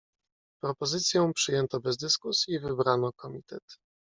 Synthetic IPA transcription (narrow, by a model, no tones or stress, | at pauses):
pɾɔpɔzɘt̪sʲjɔ̃w̃pʂɘjɛnt̪ɔbɛzd̪ɘskusʲjivɘbɾanɔkɔmʲit̪ɛ̰t̪